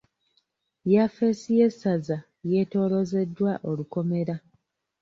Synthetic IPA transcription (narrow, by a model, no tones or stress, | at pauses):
jafeːsije̞saza | je̞to̞ːlo̞ze̞dːwaʔo̞luko̞me̞ɾa